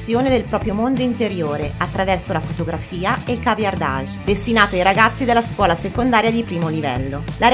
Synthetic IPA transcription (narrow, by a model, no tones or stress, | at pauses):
sjoːned̪elpɾɔːpɾjomond̪oint̪eɾjoːɾeat̪ːɾavɛrsolafot̪oɡɾafiːaekavjard̪a̰ʒd̪est̪inaːt̪oajɾaɡat̪sːid̪elːaskwɔːlasekond̪aːɾjad̪ipɾiːmolivɛ̰lːolaɾ